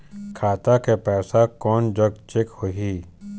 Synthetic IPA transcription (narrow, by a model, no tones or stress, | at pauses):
kʰaːt̪akepɛːsakɔːnd͡ʒɐɡ̚t͡ʃɪkhoɦiː